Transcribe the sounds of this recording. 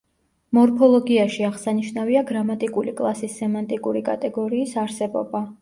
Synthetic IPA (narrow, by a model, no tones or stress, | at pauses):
mɔɾpʰɔlˠɔɡiaʃiaʁsaniʃnaviaɡɾamat̪ʼikʼulikʼlˠasisːɛmant̪ʼikʼuɾikʼa̰t̪ʼɛɡɔɾiːsaɾsɛbɔ̰ba